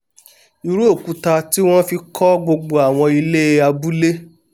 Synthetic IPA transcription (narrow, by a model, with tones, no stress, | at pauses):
i˨ɾu˦o˦˨ku˨˦ta˧ti˦w̃ɔ̃˦fi˧kʰɔ˦ɡ͡bo˧ɡ͡bo˧a˨w̃ɔ̃˧i˧le˦˧a˧bu˦le˦